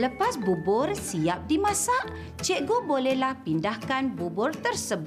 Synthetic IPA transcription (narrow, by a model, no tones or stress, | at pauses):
ləpasbubʊrsiap̚dimãsaʔ | t͡ʃɛʔɡobolɛhlahpindahkanbubʊrt̪ərsəb